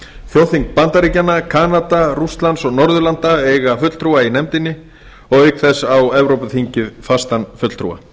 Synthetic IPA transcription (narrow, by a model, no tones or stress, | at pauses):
θjowθiŋk̚pant̪aɾicanːakʰaːnat̪aɾust̪lant̪sɔɣnɔɾðʏlant̪aeːjɣafʏt̪l̥t̪ʰɾuainɛmt̪ɪnːɪ | ɔɣœɥkθɛsːawɛvɾowpʏθiɲcɪðfast̪anfʏt̪l̥t̪ʰɾṵːa̰